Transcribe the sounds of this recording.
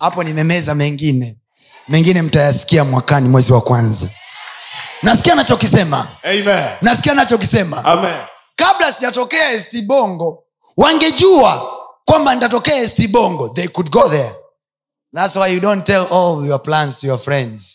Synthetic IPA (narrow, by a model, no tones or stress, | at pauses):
apɔnimɛmɛzamɛŋɡinɛ | mɛŋɡinɛm̩tajasi̥kiamwakanimwɛziwakwanza̰ | nasi̥kianat͡ʃɔkisɛma̰mɛnasi̥kianat͡ʃɔk̬isɛmamɛ | kaɓlasiʄatɔkɛaɛstiɓɔŋɡɔ | waŋɡɛʄuakwamban̩itatɔkɛaɛstiɓɔŋɡɔðejkud̚ɡɔðɛ | ðatswajjudɔntɛlɔljɔplãnsjɔfɹɛ̃ndz̥